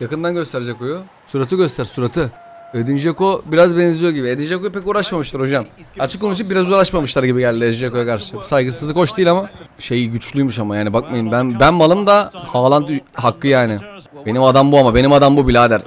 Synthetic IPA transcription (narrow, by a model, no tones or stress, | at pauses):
jakɯnd̪anɟø̞st̪ʰeɾed͡ʒɛkojo | suɾat̪ʰɯɡɟø̞st̪ʰæɾsuɾat̪ʰɯ | ed̪ind͡ʒekobiɾazbɛnzlʲijo̞ɟibied̪ind͡ʒekojpɛcuːɾaʃmamɯʃlˠaɾo̞ʒam | at͡ʃʰɯ̥kːo̞nuʃ̬ɯp̚biɾazuːɾaʃmamɯʃlˠaɾɟibiɟɛlʲd̪iɾed̪ind͡ʒeko̞jakaɾʃabsajɡɯsɯzɯkʰo̞ʃt̪ʰiːjlʲamaʃejɟyt͡ʃlʲyjmuʃamajaːnibakmajɯmbænbænmalˠɯmd̪ahaːlˠant̪ɦakːɯjaːnɪb̥e̞nimad̪ambuamabe̞nimad̪ambubilʲaːd̪æɾ